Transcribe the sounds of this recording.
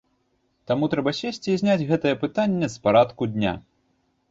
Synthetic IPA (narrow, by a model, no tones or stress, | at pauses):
t̪amut̪ɾɛbɐsʲesʲt͡sʲizʲnʲad͡zʲɣɛt̪ɐjɛpɨt̪anʲːɛspaɾat̪kud̪ʲnʲa̰